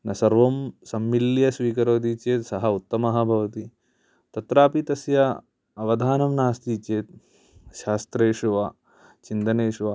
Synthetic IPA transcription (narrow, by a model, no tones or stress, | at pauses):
nɐsɐɾʋɐmsɐmːiljɐsʋiːkɐɾoːd̪it͡ʃeːt̪sɐɦɐut̪ːɐmɐɦɐ̆bʱɐʋɐt̪i | t̪ɐt̪ɾaːpit̪ɐsjɐ | ɐʋɐd̪ʱaːnɐmnaːst̪it͡ʃeːt̪̚ | ʃaːst̪ɾeːʃuʋaː | t͡ʃind̪ɐneːʃuʋa